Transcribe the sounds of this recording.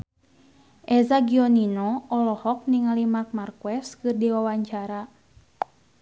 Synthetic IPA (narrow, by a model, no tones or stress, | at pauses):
ʔɛzaɡiɔninɔɔlɔhɔk̚niŋalimat̪̚markuwɛskɨrdiwawaɲt͡ʃaɾa